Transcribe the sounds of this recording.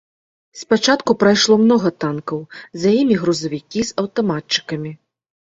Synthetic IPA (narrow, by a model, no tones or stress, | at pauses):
spat͡ʂat̪kupɾajʂlˠɔmnɔɣɐt̪ankɐwzjajimʲiɣɾuzɐvʲikʲizɐwt̪amat͡ʂɨ̥kɐmʲi